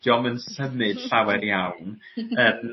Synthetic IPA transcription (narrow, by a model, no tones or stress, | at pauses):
jɔmənsəmɨd̥ɬawɛrjawn | əm